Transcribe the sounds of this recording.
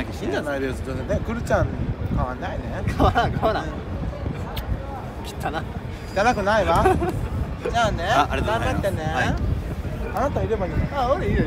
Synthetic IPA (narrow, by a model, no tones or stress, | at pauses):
akiɕĩɲd͡ʑanaid̪e̞sɨ̥d̪ozenekɯ̟ɾɯ̟t͡ɕãŋkaβanːainekaaɾakaaɾã | kʲi̥t̪ːana | kʲi̥t̪ːanakɯ̟naiβa | zaneaaɾeakat̪ːenea | anat̪aiɾe̞baɲiaoɾei